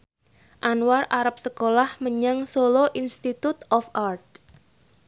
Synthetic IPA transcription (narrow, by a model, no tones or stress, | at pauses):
ʔanwaraɾap̚səkolahməɲaŋsoloʔinst̪it̪ut̪ɔfart̪̚